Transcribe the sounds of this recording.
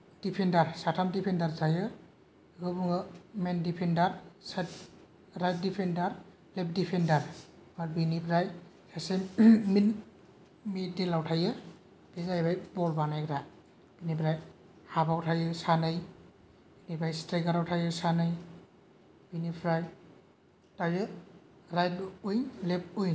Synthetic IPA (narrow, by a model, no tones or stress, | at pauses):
d̥ipʰendaɾsatʰamdipʰendaɾzajɯ | ɡɯbɯŋɯmendipʰendaɾsatː | ajt̚dipʰendaɾ | lɛp̚dipʰendaɾmaɾbinipʰɾaj | sasemmin | midelawtʰajɯ | b̥iɡajbajbɔlbanajkʰɾa | b̥inipʰɾaj | habawtʰajɛsanɯj | binibʰɾajsteɡaɾawtʰajɛsanɯj | b̥inipʰɾaj | tajɛ | ɾajdujnlɛp̚ujn